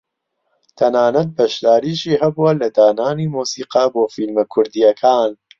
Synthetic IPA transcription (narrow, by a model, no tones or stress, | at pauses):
t̪ʰɐnaːnɐt̪̚bɐʃd̪aːɾiːʃiːɦɐbuwɐlɐd̪aːnaːniːmuːsiːqɐboːfilmɐkʰʊɾd̪ijɐkʰaːn